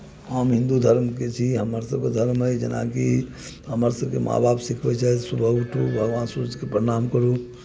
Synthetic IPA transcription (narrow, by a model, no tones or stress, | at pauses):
əmɦĩnd̪ud̪ʱəɾmket͡ʃʰiɦəməɾsəb̚ked̪ʱəɾmɦəjd͡ʒḛna̰kḭ | ɦəməɾsəbkemʔa̰bʱabsikʰbɛt͡ʃaɦɛt̪subʱəɡʈʰṵbʱəɡʋansuɾud͡ʒkepəɾinamkəɾu